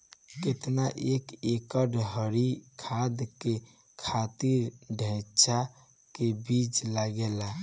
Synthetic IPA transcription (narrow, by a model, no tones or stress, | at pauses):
ket̪naʔekekəɖɦəɾikʰad̪ke | kʰat̪iɾɖʱə̃t͡ʃʰa | kebit͡ʃlaɡela